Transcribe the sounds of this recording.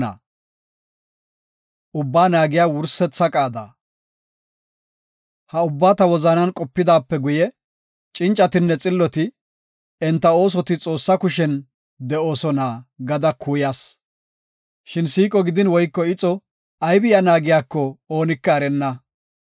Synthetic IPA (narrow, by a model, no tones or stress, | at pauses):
a̰ | ʔʊbːaːnaːɡɪjaːwʊɾsɛt͡sːɐkʼaːd̪a̰ː | hɐʊbːaːt̪ɐwɔzɐnɐnkʼɔpːɪd̪aːpːɛɡʊjɛ | t͡ʃʼɪnt͡ʃʼːɐt̪ɪnːɛt͡sʼɪlːɔt̪ɪ | ɛnt̪ːɐo̞ːs̬ɔt̪ɪt͡sʼo̞ːsːɐkʊʃɛn | d̪ɛo̞ːsɔnaːɡɐd̪ɐkʰuːjaːs | ʃɪnsiːkʼɔɡɪd̪ɪnwɔjkːɔɪt͡sʼɔ | ɐjbɪjɐnaːɡɪjaːkːɔo̞ːnɪkːɐːɾɛnːɐ